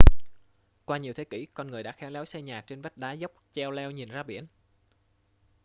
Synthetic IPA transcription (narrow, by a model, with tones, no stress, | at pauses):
kwaː˧ɲi˨˩əwt̪ʰe˨˦kḭ˧˩kɔ˧nŋɨ˨˩əjɗa̰ː˧˥xɛ˨˦wlɛ˨˦wsɛ˧ɲaː˨˩k̚t͡ɕe˧nva˦˥k̚ɗaː˨˦zə˦˥wk͡p̚t͡ɕɛ˧wlɛ˧wɲi˨˩nzaː˧ɓḭ˧˩ən